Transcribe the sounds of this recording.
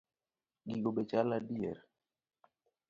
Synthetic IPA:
ɡiɡobet͡ʃaladiɛɾ

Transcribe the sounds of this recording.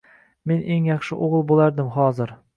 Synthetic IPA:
menʔeŋjɑχʃɪʔoʁɨlˠbolaɾd̪ɪmɦɒːzɪɾ

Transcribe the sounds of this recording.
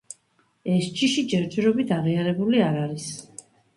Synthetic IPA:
ɛst͡ʃʰiʃid͡ʒɛɾt̪ʰiɾɔbit̪ʰaʁiaɾɛbuliaɾaɾis

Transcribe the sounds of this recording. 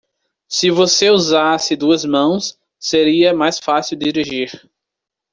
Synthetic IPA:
sɪvoseuzasɪd̪uɐzmɐ̃w̃sː | eɾiɐmajsfasiwd̪iɾiʒiɾ

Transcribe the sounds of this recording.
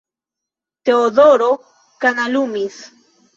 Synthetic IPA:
t̪eod̪oɾo | kanalumis

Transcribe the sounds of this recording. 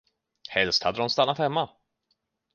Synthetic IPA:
hɛlst̪had̪ːəɾɔmst̪anːat̪hɛmːa

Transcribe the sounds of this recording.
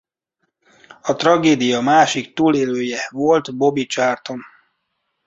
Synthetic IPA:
ɒt̪rɒɡeːd̪ijɒmaːʃikt̪uːleːløːjɛvo̞lt̪bo̞bit͡ʃaːrt̪o̞n

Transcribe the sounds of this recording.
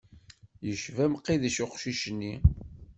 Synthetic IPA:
jəʃvæmqːiðiʃʊqʃiʃənːi

